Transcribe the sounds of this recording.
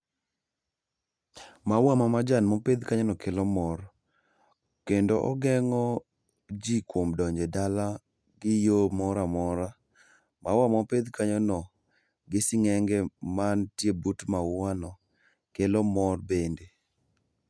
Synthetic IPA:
mawamamad͡ʒanmɔped̪kaɲɔnɔkʰelɔmɔr | kendoʔɔ̰ɡɛŋɔ | d͡ʒikwomdɔɲd͡ʒedala | ɡɪjomɔɾamɔɾa | mawamɔped̪kaɲɔnɔ | ɡɪsɪŋɛŋɡɛmantjebutmaanɔ | kelɔmɔrbende

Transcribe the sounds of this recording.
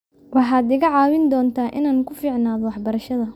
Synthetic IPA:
wɑħɑːd̪ɪɣɐʕɑːwɪnd̪ɔːnt̪ʰaːʔɪnaːnkʰʊfiːʕnaːðɔwɑħbɐɾɐʃɐðɐ

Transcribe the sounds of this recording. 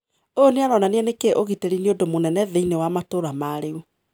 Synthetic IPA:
oneaɾɔnaneɛnekeʔoɣiteɾineodomonɛnɛðeinewamatoɾamaɾeu

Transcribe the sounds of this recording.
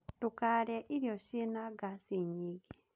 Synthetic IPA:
tʊkaɾɛʔiɾjɔsenaɡasiɲiɡi

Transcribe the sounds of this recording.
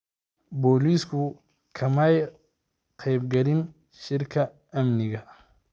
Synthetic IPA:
bɔːliːskʰʊ | kʰɐmɐj | qʰɛjbɡɐlɪn | ʃɪrkʰɐ | ɐmnɪɣɐ

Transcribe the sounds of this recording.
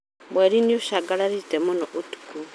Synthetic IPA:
βweɾinioʃaɡalaɾitemunoʔutu̥ku

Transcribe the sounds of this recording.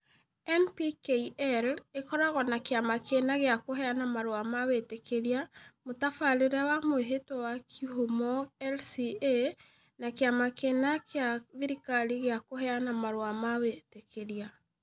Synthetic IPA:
ɛnpikeiʔɛlekɔɾaɣɔnakeamakʰenaɣeakoɦɛanamaɾwamawetekeɾiamotafaɾeɾawamoeɦetɔwakʰihomɔɛlsie | nakeamakenakeaðiɾikaliɣeakohɛanamaɾwamawetekʰeɾia

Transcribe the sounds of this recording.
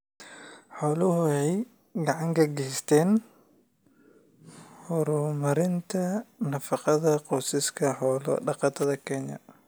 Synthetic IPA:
ħɔːlʊɦʊɛj | ɡɑʕɑŋkʰɐɡɛːst̪ʰɛːn | hɔɾʊmɐɾɪnt̪ʰɐnɐfɑqɑðɐqɔːsɪskʰɐħɔːlɐ̰ɖɑqɑːt̪ʰɐðɐkʰɛnjɐ̰

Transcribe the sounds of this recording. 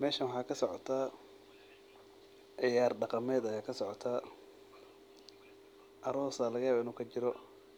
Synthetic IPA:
mɛːʃɐwħɑːkʰɐsɔʕɔ̰t̪ʰa | ʔɪjaːrɖɑqɑmɛːd̪ɐjaːkʰɐsɔʕɔt̪ʰaː | ʔɐɾɔːsɐlɐɣɐjaːβaːɪnuːkʰɐt͡ʃɪɾɔ

